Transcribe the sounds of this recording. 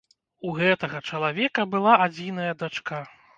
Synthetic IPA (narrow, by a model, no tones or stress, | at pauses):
uɣɛt̪ɐɣɐt͡ʂɐlˠavʲɛkɐbɨlˠaad͡zʲin̪ɐjɐd̪at͡ʂka